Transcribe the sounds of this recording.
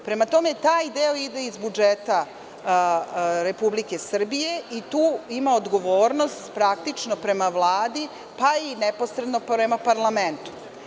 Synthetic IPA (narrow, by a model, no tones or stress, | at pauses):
pɾe̞mat̪o̞me̞t̪aːjd̪eo̞id̪e̞izbud͡ʒet̪a | ɾe̞publike̞sr̩bije̞it̪uːimaod̪ɡo̞ʋo̞ːɾno̞st̪pɾak̚t̪it͡ʂno̞pɾe̞maʋlˠaːd̪i | painepo̞sɾed̪no̞pɾemapaɾlˠament̪u̥